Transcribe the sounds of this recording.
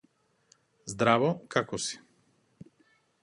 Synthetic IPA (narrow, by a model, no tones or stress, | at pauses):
zd̪ɾavɔkakɔsi̥